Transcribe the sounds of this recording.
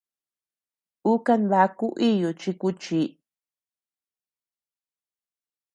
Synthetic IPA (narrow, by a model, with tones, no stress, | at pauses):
u˦ka˧nd̪a˧ku˦ʔi˦jo˨t͡ʃi˧ku˧t͡ʃi˨˦